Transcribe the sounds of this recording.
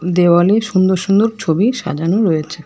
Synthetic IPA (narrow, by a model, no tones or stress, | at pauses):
d̪ewaleʃund̪oɾʃund̪oɾt͡ɕʰobiʃa̰d͡ʑanoɾojet͡ɕʰe